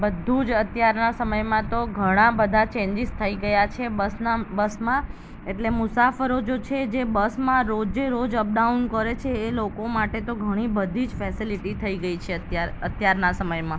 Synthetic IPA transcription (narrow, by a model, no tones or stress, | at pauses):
bəd̪ʱud͡ʒət̪jaɾnasəməjmãt̪oɡʱəɽ̃ãbəd̪ʱat͡ʃẽɲd͡ʒizt̪ʰəiɡəjat͡ʃʰebəsnabəsmã | eʈlemʊsafəɾod͡ʒot͡ʃʰed͡ʒebəsmãɾod͡ʒeɾod͡ʒəp̚ɖaunkəɾet͡ʃʰeːlokomaʈet̪oɡʱəɽ̃ibəd̪ʱid͡ʒfɛsiliʈit̪ʰəiɡəit͡ʃʰeaət̪jaɾnasəməjmã